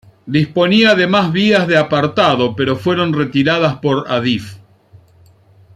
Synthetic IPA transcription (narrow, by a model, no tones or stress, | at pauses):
d̪ispo̞niaðe̞mazβiazðeapaɾt̪aðo̞pe̞ɾo̞fwe̞ɾo̞nre̞t̪iɾaðaspo̞ɾa̰ðif